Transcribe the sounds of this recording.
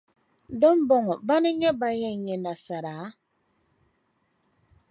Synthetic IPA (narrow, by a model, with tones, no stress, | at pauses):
dɔ˦m˦bɔ˨ŋɔ˨ba˦nɛ˦ɲɛ˦ba˨ɲɛ˦˨ɲɛ˨na˨sa˨ɾa˨˦